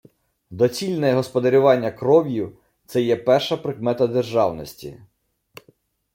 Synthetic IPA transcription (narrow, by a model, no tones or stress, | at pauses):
d̪ɔt͡sʲilʲnɛɛɦɔspɔd̪ɐɾʲʊʋɑnʲːɐkɾɔʋʲjiw | t̪sɛjɛpɛrʃɐpɾɪkmɛt̪ɐd̪erʒɑwnɔsʲtʲḭ